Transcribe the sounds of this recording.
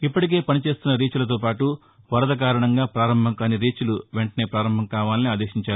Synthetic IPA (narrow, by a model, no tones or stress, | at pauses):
ipːɐʈik̬e̞ːpɐnit͡ʃe̞ːst̪unːɐɾiːt͡ʃulɐt̪̬o̞ːpaːʈu | ʋɐɾɐd̪ɐk̬aːɾɐɳɐŋɡaːpɾaːɾɐmbʱɐŋkaːniɾiːt͡ʃuluʋeɳʈɐne̞ːpɾaːɾɐmbʱɐŋkaːʋaːlɐniaːd̪eːʃiɲt͡ʃaːɾu